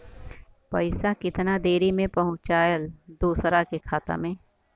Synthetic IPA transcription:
pɐɪsakɪt̪nad̪eːɾimẽpɐɦʊ̃t͡ʃt͡ʃaːjəld̪uːsɾakekʰaːt̪a̰mẽː

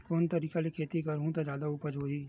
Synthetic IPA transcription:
koːnt̪ɐɾiːkalikʰeːt̪ikɐɾɦũt̪od͡ʒjaːd̪auːpəd͡ʒɦoːɦiː

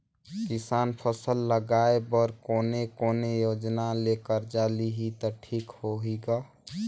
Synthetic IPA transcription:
kisaːnpʰəsəlːəɡaebəɾkoːnekoːnejoːd͡ʒnalekəɾd͡ʒaːliɦit̪ɔʈʰiːkhoɦiɡa

